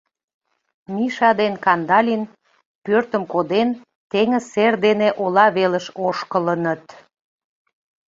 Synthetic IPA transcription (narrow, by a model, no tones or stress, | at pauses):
miʃɑd̪enkɑnd̪ɑlʲin | pørt̪əmkod̪en | t̪eŋəserd̪eneʔolɑβeləʃoʃkələnət̪